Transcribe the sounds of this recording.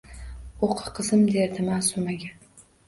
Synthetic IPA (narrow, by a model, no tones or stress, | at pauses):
oqʰɨ̥qʰɨzɪmd̪eɾd̪ɪmasomaɡʲa